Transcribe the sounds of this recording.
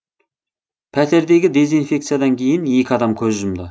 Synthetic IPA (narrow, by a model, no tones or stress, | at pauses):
pʰæt̪ʰe̞ɾd̪e̞ɡʲɪd̪e̞zinfʲe̞kt̪sijad̪ɑŋkʲʰe̞jɪne̞kʲɪɑd̪ɑmkʲʰɵzʒʊmd̪ə